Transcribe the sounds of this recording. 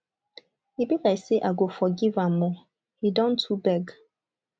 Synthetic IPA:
ibikaiseʔaɡofɔɡivamɔ | hidɔ̃ntʰubɛɡ

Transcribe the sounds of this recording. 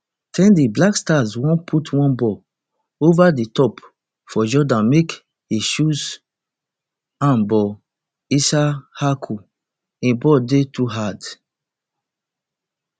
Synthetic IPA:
tʰɛ̃ndiblakstazwɔ̃npʰutwɔ̃nbɔ | ovaditɔp | fɔd͡ʒɔdãnmek | hiʃuz | ãnbɔ | isahakʰu | ĩbɔdetʰuɦad

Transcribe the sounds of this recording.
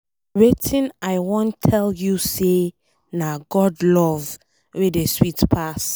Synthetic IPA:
ɹɛtʰĩnajwɔ̃ntʰːɛljuse | naɡɔdlɔv | wedeswitpʰas

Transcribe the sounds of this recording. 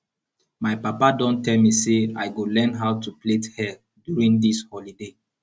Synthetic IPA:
majpapadɔ̃ntːɛlmisea̰jɡolɛ̃nɦaʊtuplethɛl | djuɹĩŋdishɔlide

